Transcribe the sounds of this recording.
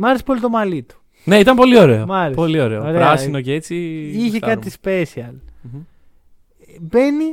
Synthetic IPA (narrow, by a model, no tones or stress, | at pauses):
mɐɾesi̥po̞lit̪o̞mɐlit̪u̥ | ne̞it̪ɐmpo̞lio̞ɾe̞̰omɐɾepolio̞ɾeooɾeɾɐsinoceet͡siiçekɐt̪ispe̞siɐl̩ | be̞ni